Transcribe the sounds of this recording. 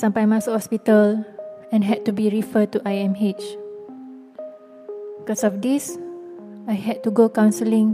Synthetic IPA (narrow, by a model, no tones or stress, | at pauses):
sãmpajmãshɔspitəlɛ̃nɦɛd̚tːubiɹifətuʔajɛ̃met͡ʃ | bikɔsɔfdis | ajɦɛd̚tuɡokãwnsəlĩŋ